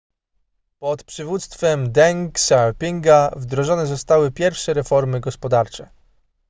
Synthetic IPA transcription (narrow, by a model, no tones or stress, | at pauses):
pɔt̪pʂɘvut̪st̪fɛmd̪ɛŋksapʲiŋɡavd̪ɾɔʐɔnɛzɔst̪awɘpʲjɛɾfʂɛɾɛfɔɾmɘɡɔspɔd̪aɾt͡ʂɛ